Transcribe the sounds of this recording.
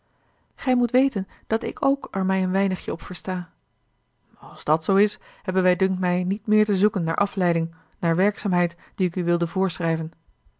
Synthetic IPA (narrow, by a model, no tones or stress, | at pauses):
χɛjmutʋejtən | d̥ɑtɪ̰kʰowkɛɹmɛjənʋɛjnəχjəɔpfəɹstaː | ɑlˠzdɑtsowɪs | hɛbənʋɛjdɵŋk̚tmɛjnitmɪːɹtəzukənːa̰ːɹʔɑflɛjdɪŋ | naːɹʋɛɹksaːmɦɛjt | d̥iɪkyʋɪlˠdəvʊːɹsχrɛjvən